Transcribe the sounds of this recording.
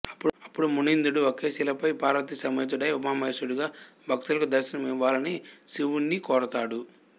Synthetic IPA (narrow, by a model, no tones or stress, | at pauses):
ɐpːuɐpːuɽumunind̪uɽuokeːsilɐpɐjpaːɾʋɐt̪isɐmɐjt͡ʃ̪uɖɐjumaːmɐsuɽuɡaːbʱɐk̚t̪ulɐkud̪ɐɾʃɐnɐmiʋːaːlɐnisiʋunːikɔːɾɐt̪aːɽu